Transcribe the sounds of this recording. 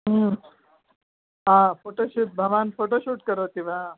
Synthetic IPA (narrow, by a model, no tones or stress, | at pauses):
ɦãfoʈoɕuːt̪̚bʱɐʋanfoʈoɕuːʈkəɾot̪iʋa